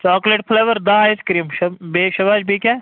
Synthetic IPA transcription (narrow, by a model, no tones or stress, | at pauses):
t͡ʃaːkleʈpʰleːʋəɾd̪aɪskɾiːmʃɐbeːʃɐʋaːd͡ʒbʱika